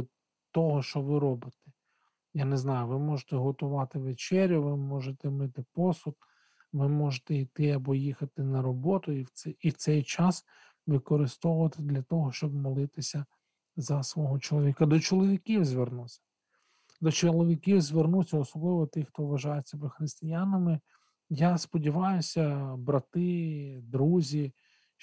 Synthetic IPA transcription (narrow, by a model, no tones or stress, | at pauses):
t̪ɔɦɔʃt͡ʃɔʋɪɾɔbɪt̪ɛ̥ | janeznɑjʊʋɪmɔʒet̪ɛɦɔt̪ʊʋɑt̪ɪʋet͡ʃɛɾʲjʊʋɪmɔʒet̪ɛmɪt̪ɪpɔsʊt̪ | ʋɪmɔʒet̪ɛit̪ɪɐbɔjixɐt̪ɪnɐɾɔbɔt̪ʊiwiwt̪sɛjt͡ʃɑs | ʋɪkɔɾɪst̪ɔwʊʋɐt̪ɪd̪lʲɐt̪ɔɦɔʃt͡ʃɔb̚mɔlˠɪt̪ɪsʲɐ | zɐsʋɔɦɔt͡ʃɔlˠɔʋʲikɐd̪ɔt͡ʃɔlˠɔʋʲikʲiwzʲʋernusʲɐ̥ | d̪ɔt͡ʃɔlˠɔʋʲikʲiwzʲʋernusʲɐɔsɔblˠɪʋɔt̪ɪxt̪ɔʋɐʒɑjesʲɐbɛxɾɪst̪ɪjanɐmɪ | jaspɔdʲiʋɑjʊsʲɐbɾɐt̪ɪd̪ɾuzʲi